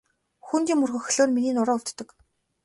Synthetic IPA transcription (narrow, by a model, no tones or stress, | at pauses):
xunt̪iːŋmurɣɘ̆x̆ɮoːnminiːnʊɾɔːut̪t̪ːə̆k